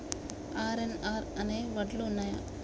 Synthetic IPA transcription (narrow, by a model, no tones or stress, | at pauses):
aːɾenaːɾɐneʋɐʈlunːaːja̰ː